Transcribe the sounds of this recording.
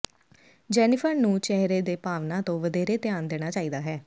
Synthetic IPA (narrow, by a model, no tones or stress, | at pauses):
d͡ʒɛːnɪpʰəɾnũːt͡ʃɛɦɾeːd̪eːpaːʋnãːt̪õːʋəd̪eːɾeːt̪jaːnd̪eːɽ̃aːt͡ʃaːiːd̪aːɦɛː